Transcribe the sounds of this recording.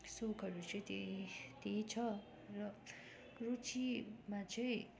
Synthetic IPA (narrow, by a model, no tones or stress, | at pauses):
sokʌɾut͡sʌĩt̪et̪eit͡sʰʌ | rʌ | rut͡simat͡sʌĩ